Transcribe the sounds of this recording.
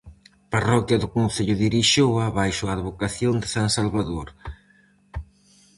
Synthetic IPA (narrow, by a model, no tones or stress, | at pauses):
parɔkjɐðʊkonθeʎʊðiɾiʃoaβajʃoaːðβokaθjond̪ɪsansalβaðoɾ